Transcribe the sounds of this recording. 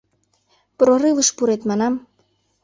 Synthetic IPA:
pɾoɾɨvəʃpuɾet̪mɑnɑm

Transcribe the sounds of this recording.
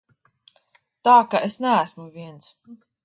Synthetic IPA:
t̪aːkaʔesnæːsmuviɛns

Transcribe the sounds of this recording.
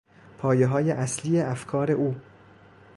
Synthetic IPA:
pʰɒːjeɦɒːjeʔæsliːeæfkʰɒːɾe̞ʔuː

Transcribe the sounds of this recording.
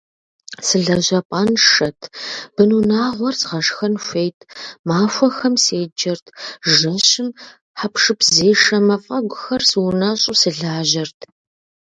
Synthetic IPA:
sɨɮɐʑɐpʼaːnʂɐtʰb̥ɨnunaːʁʷɔrzʁɐʂxɐnʃʷejtʰmaːfʷɐxɐmseːd͡ʒɐrtʰʒɐɕɪm | ħapʂɨpʰzeːʂɐmɐfʼɐɡʷʊxɐrsɨwʊnɐɕʼʊsɨɮaːʑɐrtʰ

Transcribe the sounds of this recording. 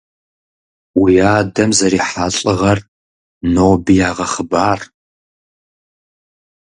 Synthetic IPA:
wijaːdɐmzɐɾiːħaɬʼɨʁɐr | noːbijaːʁɐχəbaːr

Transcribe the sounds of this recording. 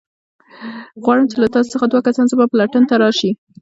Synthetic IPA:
ɣwɑɽəmt͡ʃelat̪ɑso̥səxad̪wakasɑnzabapəlaʈənt̪aɾɑʃi

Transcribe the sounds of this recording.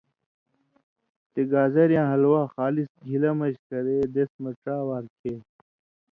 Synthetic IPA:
t̪eɡaːzɐɾjãːɦɐlwaːxaːlisɡʱilɐmɐɕkɐɾed̪esmɐʈaːwaːɾkʰe

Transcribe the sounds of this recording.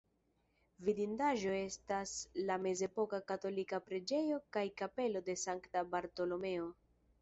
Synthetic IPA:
vidindaʒo̞e̞staslame̞ze̞po̞kakato̞likapɾed͡ʒe̞jo̞kajkape̞lo̞de̞saŋktabaɾto̞lo̞me̞o̞

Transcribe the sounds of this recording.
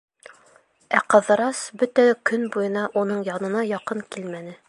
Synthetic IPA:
æqɤ̆ðɤ̆ɾɑsbɵt̪ækɵnbujɤ̆nɑʔunɤɴjɑnɤ̆nɑjɑqɤɴkilmænɘ

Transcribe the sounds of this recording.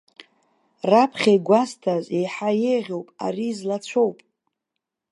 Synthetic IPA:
rapʰχʲajɡʷastʰazejħaje̞jʁʲo̞wpʼa̰riːzlat͡ɕʷʰo̞wpʼ

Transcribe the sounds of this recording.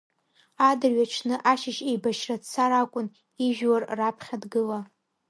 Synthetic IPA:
adɨrɥaʈ͡ʂʰnɨʔaʃɪʃejbaʃrat͡sʰaɾakʷʼʊn | iʒᶣwarːapʰχʲadɡɨla

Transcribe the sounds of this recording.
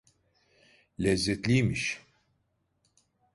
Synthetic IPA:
lʲɛzːɛt̪lʲijmiʃ

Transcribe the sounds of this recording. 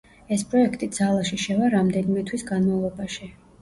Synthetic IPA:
ɛspʼɾɔɛkʰt̪ʼid̪z̥alˠaʃiʃɛvaɾamd̪ɛnimɛt̪ʰwisɡanmavlˠɔbaʃi

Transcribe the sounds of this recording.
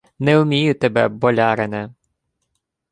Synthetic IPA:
nɛʊmʲijʊt̪ɛbɛbɔlʲɑɾenɛ

